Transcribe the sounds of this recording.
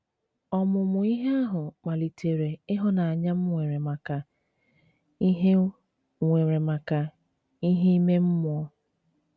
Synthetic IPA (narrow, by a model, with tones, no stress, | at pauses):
ɔ˦mʊ˨mʊ˨i˦ɦe˦a˦ɦʊ˨k͡pa˨li˨tʰe˨ɾe˨ɪ˦ɦɔ˦na˨a˨ɲa˦m̩˦ŋʷe˨ɾe˨ma˨ka˨ | i˦ɦe˦ | ŋʷe˨ɾe˨ma˨ka˨ | i˦ɦe˦i˦me˦m̩˦mʊ˨ɔ˦